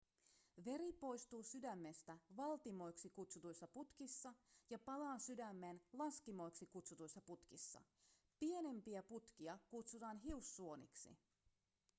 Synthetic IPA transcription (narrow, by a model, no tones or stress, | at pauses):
ʋe̞ɾipo̞jst̪uːsydæmːe̞st̪æʋɑlt̪imo̞jksikut̪sut̪ujsːɑput̪kisːɑjɑpɑlɑːsydæmːe̞ːnlɑskimo̞jksikut̪sut̪ujsːɑput̪kisːɑ̰ | pie̞ne̞mpiæput̪kiɑkut̪sut̪ɑːnɦiusːuo̞nḭksḭ